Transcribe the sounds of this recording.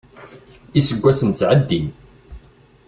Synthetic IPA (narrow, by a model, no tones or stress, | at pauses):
isəɡʷːæsənt͡sːʕəd̪ːin